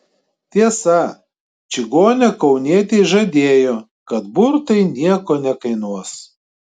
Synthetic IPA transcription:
t̪ʲiɛsɐ | t͡ʃʲɪɡoːnʲɛkɒʊnʲiɛt̪ʲɛɪʒɐd̪ʲeːjoː | kɐt̪bʊɾt̪ɐɪnʲiɛkoːnʲɛkɐɪnuɔs

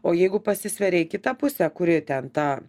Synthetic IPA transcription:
oːjɛɪɡʊpɐsʲɪsʲʋʲɛɾʲɛɪkʲɪt̪ɐpʊsʲɛkʊɾʲɪt̪ʲɛnt̪ɑː

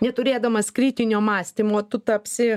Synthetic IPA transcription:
nʲɛt̪ʊɾʲeːd̪ɐmɐskɾʲiːt̪ʲɪnʲoːmɑːsʲt̪ʲimoːt̪ʊt̪ɐpʲsʲɪ

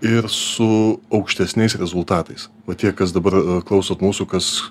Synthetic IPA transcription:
ɪɾsʊɐʊkʃʲt̪ʲɛsʲnʲɛɪsɾʲɛzʊlˠt̪ɑːt̪ɐɪs | ʋɐt̪ʲiɛkɐsd̪ɐbɐɾklˠɐʊsoːt̪muːsuːkɐs

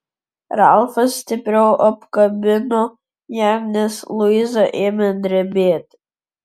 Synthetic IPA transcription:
ralˠfasːtʰʲɪpʲʼrʲɛwʔapkʼɐbʲɪno | jarnʲeslˠuizaʔemʲɛnd̪ɾʲɛbʲetʼ

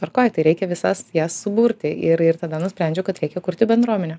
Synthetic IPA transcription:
ɐrkoːjt̪ɐɪɾʲɛɪkʲɛʋʲɪsɐsjæːsːʊbuːɾʲt̪ʲɪɪɾɪrt̪ɐd̪ɐnʊsʲpʲɾʲænʲd͡ʒʲɛʊkɐt̪ɾʲɛɪkʲɛkʊɾʲt̪ʲɪbʲɛnd̪ɾuɔmʲɛnʲɛ

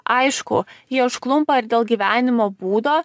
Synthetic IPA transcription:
ʔɐɪʃkʊjiɛʊʃklˠʊmpɐɪɾd̪ʲeːlˠɡʲiːʋʲæːnʲɪmoːbuːd̪oː

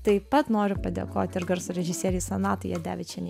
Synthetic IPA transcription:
t̪ɐɪpɐt̪noːɾʲʊpɐd̪ʲḛkoːt̪ʲɪɾɡɐɾsʊɾʲɛʒʲɪsʲiɛɾʲɪjsɐnɑːt̪ɐɪjɛd̪ʲæ̰ːʋʲɪt͡ʃʲɛnʲ

